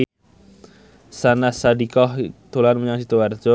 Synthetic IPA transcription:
sanasadikɔht̪olanmuɲaŋsit̪uward͡ʒo

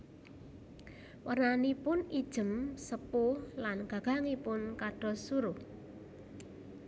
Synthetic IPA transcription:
wərnanipʊnid̥ʒ̥ə̤msəpʊhlanɡ̥ä̤ɡ̥a̤ŋipʊnkaɖ̥ɔ̤suɾʊh

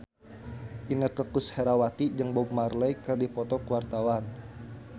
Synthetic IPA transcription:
ʔinəkəkusheɾawat̪id͡ʒəŋbɔbmarləjkərdipɔt̪ɔkuwart̪awan

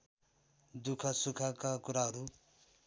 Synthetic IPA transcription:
d̪ukʰʌsukʰakakuɾaɦʌɾu

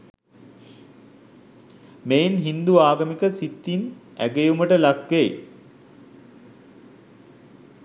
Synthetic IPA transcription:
mejnɦind̪uaːɡəmikəsit̪ːin | æ̰ɡejuməʈəlakʋej

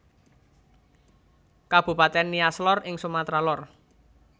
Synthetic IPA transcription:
kab̥ṳpat̪ɛnːiaslɔrɪŋsumat̪ɾalɔr

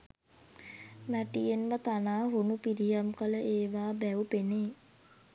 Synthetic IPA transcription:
mæʈijenʋət̪anaːɦunupiɾijamkələʔeːʋaːbæupeneː

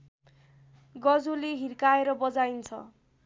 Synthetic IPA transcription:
ɡʌd͡zoleɦirkaeɾʌbʌd͡zajnt͡sʰʌ̰

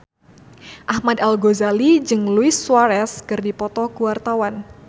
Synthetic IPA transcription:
ʔahmad̪alɡozalid͡ʒɨŋluɪsːwaɾɛskɨrdipɔt̪ɔkuwart̪awan

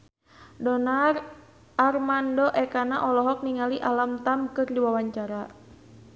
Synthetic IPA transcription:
dɔnar | armandɔʔɛkanaʔɔlɔɦɔk̚niŋaliʔalamt̪amkɨrdiwawaɲt͡ʃaɾa

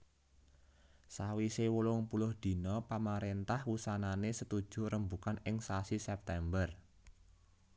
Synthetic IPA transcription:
sawisewulʊŋpulʊhd̪̥i̤nɔpamaɾent̪ahwusananesət̪ud̥ʒ̥ṳrəmbukanɪŋsasisɛp̚t̪ɛmbər

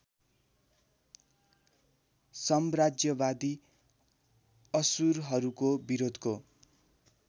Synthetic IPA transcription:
sʌmrad͡zjʌbad̪i | ʌsuɾɦʌɾukobiɾod̪ʱko

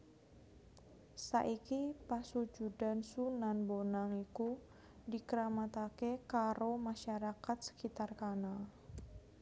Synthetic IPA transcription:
sa̰ʔikipasud͡ʒudansunanbonaŋiku | dikəɾamat̪akekaɾomaʃaɾakat̪̚sə̥kit̪arkana

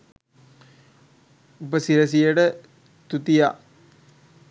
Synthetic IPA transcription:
upəsiɾəs̬ijəʈə | t̪ut̪ijaʔ

